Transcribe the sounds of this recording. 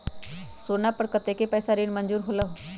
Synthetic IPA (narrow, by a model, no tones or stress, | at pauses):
soːnapəɽkət̪ekepɛːsaɾiːnmənd͡ʒuːɾɦoːlao